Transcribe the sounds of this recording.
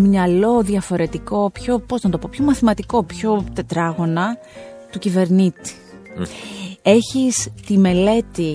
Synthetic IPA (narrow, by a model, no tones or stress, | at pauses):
mɲɐlo̞ðjɐfo̞ɾe̞t̪iko̞pço̞po̞znɐt̪o̞po̞pço̞mɐθimɐt̪iko̞pço̞t̪e̞t̪ɾɐɣo̞nɐ | t̪ucive̞ɾnit̪i̥ | e̞çist̪ime̞le̞t̪i